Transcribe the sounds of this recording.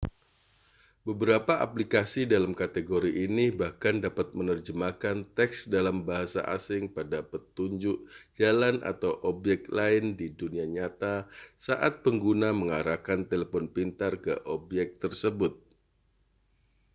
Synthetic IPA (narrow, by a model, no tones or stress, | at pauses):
bəbəɾapaʔa̰plikasidalamkat̪eɡoɾiʔinibahkandapat̪̚mənərd͡ʒəmakant̪ɛksdalambaɦasa̰ʔa̰sɪŋpadapət̪uɲd͡ʒʊʔd͡ʒalanʔa̰t̪awʔɔbjɛk̚t̪laɪndiduniaɲat̪asaʔat̪̚pəŋɡunaməŋaɾakant̪eləfɔnpint̪arkə̰ʔɔbjɛk̚t̪ərsəbʊt̪̚